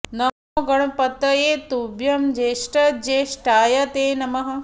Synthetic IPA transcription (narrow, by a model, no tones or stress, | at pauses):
nɐmoɡɐɽɐpɐt̪ːɐjeːt̪ubjɐmd͡ʒeːʃʈɐd͡ʒeːʃʈaːjɐt̪eːnɐmɐɦɐ̆